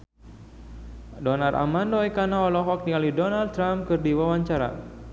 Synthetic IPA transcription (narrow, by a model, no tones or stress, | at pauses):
dɔnarʔa̰mandɔekanaɔlɔɦɔk̚nialihdɔnald̪t̪ɾampkɨrdiwawaɲt͡ʃaɾa̰